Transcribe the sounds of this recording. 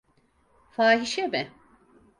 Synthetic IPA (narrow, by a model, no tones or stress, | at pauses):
faːɦiʃɛbɪ